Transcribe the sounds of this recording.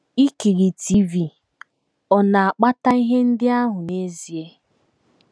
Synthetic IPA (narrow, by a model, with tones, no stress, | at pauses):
i˦ki˨ɾi˨ti˦vi˨ | ɔ˨na˨a˨k͡pa˦ta˦i˦ɦe˦n̩˦dɪ˦a˦ɦʊ˨ne˦zi˨e˦